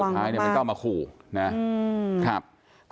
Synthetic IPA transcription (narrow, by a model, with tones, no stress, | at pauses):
a˧a˧˩˨n˥˩˨k̪a˥˩maː˧kʰuː˨˩na˦˥˧kʰa˦˥p̚